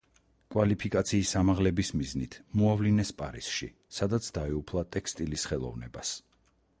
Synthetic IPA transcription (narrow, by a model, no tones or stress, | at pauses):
kʼwalipʰikʼat̪sʰiːsamaʁlɛbismiznḭt̪ʰmɔavlinɛspʼa̰ɾisʃḭ | sad̪at̪sʰd̪aɛupʰlˠat̪ʼɛkst̪ʼilisχɛlˠɔ̰vnɛ̰bas